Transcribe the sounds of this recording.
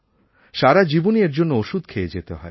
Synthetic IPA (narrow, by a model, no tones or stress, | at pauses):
ʃaɾad͡ʑibonieɾd͡ʑonːooʃud̪̚kʰeed͡ʑet̪eɦɔ̰e